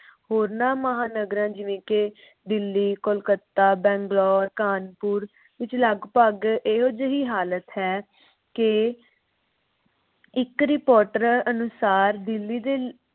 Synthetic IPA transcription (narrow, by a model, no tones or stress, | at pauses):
hoːɾnãːməɦaːnəɡɾãːd͡ʒɪʋẽːke | d̪ɪlːiːkolkət̪ːaːbɛ̃ːŋɡlɔːɾkaːnpʊːɾ | ʋɪt͡ʃləɡpəɡeːɦoːd͡ʒəɦiːɦaːlət̪ɦɛː | kɪ | ɪkɾɪpoːɾʈəɾənʊsaːɾd̪ɪlːiːd̪eː